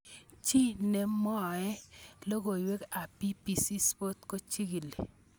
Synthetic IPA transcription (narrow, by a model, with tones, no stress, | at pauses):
t͡ʃi˦ne˨mɔ˦˨ɛ˦lo˦ɡo˨i˨we˦ka˨pi˦pi˨si˦spo˦t̪ko˦t͡ʃi˦ɡi˨lḛ˨